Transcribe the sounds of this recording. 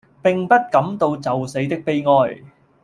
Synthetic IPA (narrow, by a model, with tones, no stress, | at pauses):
pɪ˨ŋpɐ˥t̚kɐ˨˥mt̪o˧wt͡sɐ˨wse˨˥jt̪ɪ˥k̚pe˥jŋɔː˧j